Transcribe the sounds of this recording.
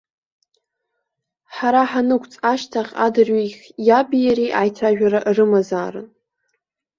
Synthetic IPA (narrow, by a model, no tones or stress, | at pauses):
ħaɾaħanɨkʷʰʼt͡sʼaʃtʰaχʲa̰dɨrɥiχʲjabijaɾiʔajtʰaʒᶣaɾaʔrɨmazaːrɨ̰n